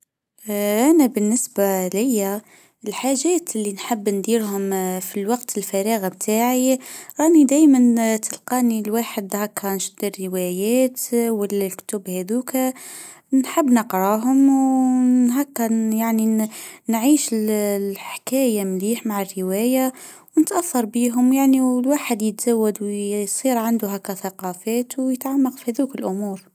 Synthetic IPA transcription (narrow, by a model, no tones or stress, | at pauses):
ʔænæbənːəsbalɪjːæ | ɪlħaʒæːt̪ɪlːinħəbːnd̪iːɾɦʊmfilwɑqt̪ʰɪlfæɾiːɣbt̪ʰaːʕiɾˤɑːnid̪æːjmənt̪əlqɑːnilwaːħəd̪hækːɑnʃd̪ərəwæjæːt̪wəllkt̪ʊbhæd̪uːk | nħəbːnəqɾˤɑɦʊm | ɦækːæjaʕninʕiːʃɪlħkæːjamliːħmaʕarːəwæːjawnət̪ʔaθːɑɾˤbiɦʊmjaʕniwlwaːħəd̪jət̪z̥awːad̪wjsˤiːɾʕand̪ʊɦækːæθɑqɑfæːt̪wjət̪ʕamːɑqfihæðukɪlʔʊmuːɾ